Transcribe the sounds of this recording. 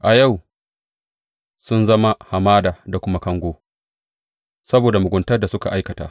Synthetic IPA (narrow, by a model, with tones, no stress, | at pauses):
ʔa˨ja˦˨w | sʊ˦nzɐ˦ma˦ha˨maː˦daː˨da˨kʷʊ˦ma˦kɐ˦ŋɡʷoː˦ | sɐ˦boː˨da˨mʊ˨ɡʷʊ˦ntɐ˦rda˨sʊ˦ka̰˨ʔa˦jkɐ˨ta̰ː˦